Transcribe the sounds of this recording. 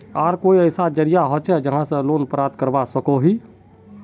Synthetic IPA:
aːɾkoːiəɪsad͡ʒəɾijaɦot͡ʃʰɛd͡ʒəɦãsə̃loːnpɾaːt̪kəɾbasəkoɦi

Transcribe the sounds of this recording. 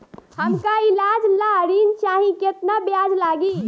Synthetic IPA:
həmkaɪlaːd͡ʒlaɾiːnt͡ʃaːɦĩket̪nabjaːd͡ʒlaːɡi

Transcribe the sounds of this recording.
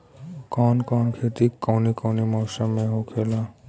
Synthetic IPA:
kɔːnkɔːnkʰet̪ikːɔːnikɔːnimɔːsəmːẽɦokʰeːla

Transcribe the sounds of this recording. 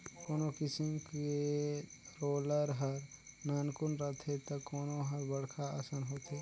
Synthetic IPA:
koːnokɪsimke | ɾoːləɾɦəɾnaːnkunɾət̪ʰɦet̪əkoːnoɦəɾbəɽkʰaəsənɦot̪ɦe

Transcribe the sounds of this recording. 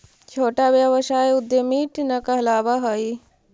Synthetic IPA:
t͡ʃʰoːʈabjaʋɐʃaːeʊd̪ːemiːʈnɐkaɐlaːʋaɦɐi

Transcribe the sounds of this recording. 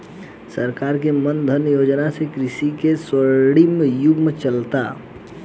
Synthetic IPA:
səɾkaːɾkemənd̪ʱənjoːd͡ʒnasekɾɪsikeswəɾɽimjʊɡmt͡ʃəlt̪a

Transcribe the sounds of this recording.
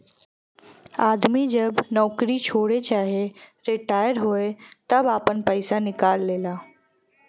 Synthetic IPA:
aːd̪mid͡ʒɐbnɔːkɾit͡ʃʰoːɽet͡ʃaːɦieɾɪʈaːɪəɾɦoːet̪ɐbaːpənpəɪsanɪkaːlːeːlaː

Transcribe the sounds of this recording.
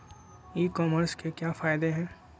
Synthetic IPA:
iːkɔːməɾskekjaːfaːɪd̪eɦɛ̃ː

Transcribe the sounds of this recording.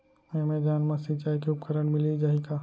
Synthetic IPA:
mẽmẽd͡ʒaːnmɐsit͡ʃaːikeʊpkəɾəɽmɪlid͡ʒaːɦikaː

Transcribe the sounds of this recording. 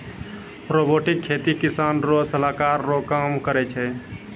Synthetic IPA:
ɾoboʈikʰːet̪ikisanɾosəlakaɾːokamkəɾɛt͡ʃʰɛ

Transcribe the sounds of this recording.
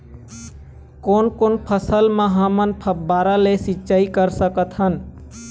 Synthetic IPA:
koːnkoːnpʰəsəlmãɦamənpʰəbaːɾalesɪtːt͡ʃaːikəɾsəkət̪ɦən

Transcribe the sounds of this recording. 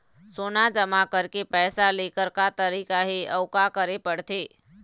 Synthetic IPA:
soːnad͡ʒəmakəɾkepɛːsaleːkəɾkat̪əɾiːkaɦiəʊkakəɾepəɽt̪eː

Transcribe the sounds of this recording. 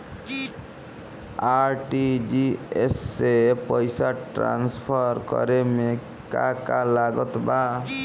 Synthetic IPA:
aɾʈid͡ʒiesepʌjsaʈɾa̰nspʰɔɾkɔ̰ɾeme | ka̰kalaɡɔt̪ba

